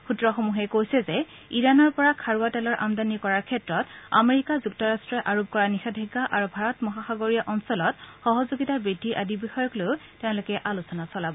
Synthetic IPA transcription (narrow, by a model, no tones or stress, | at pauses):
xutɹɔxomuɦɛkojsɛzɛiɹanɔɹpɔɹakʰaɹuatɛlɔɹʔa̰mdanikɔɹaɹkʰɛtɹɔta̰meɹikazuktɔɹastɹɔʔaɹob̚kɔɹanixadʱeɡaʔaɹubʱaɹɔtmɔɦaxaɡoɹijaʔɔnsɔlɔtxɔɦɔzoɡitabidʱiʔadibixɔjɔkloʊtɛʊ̃lokɛʔalusɔnasɔlabɔ